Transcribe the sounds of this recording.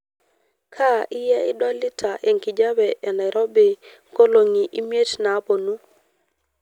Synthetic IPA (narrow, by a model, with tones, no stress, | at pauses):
kʰa˦ʔɪ˦jɛ˦ɪ˦dɔ˦lɪ˦tʰa˨ʔe˨ŋki˨d͡ʒa˦bɛ˨ʔɛ˨na˨ɪɾʔɔ˦be˨ŋko˦lo˨ŋi˨ʔi˦mje˦tna˨˦po˨nu˦